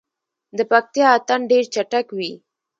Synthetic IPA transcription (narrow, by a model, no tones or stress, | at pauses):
d̪əpak̚t̪jɑat̪anɖeɾt͡ʃaʈakwi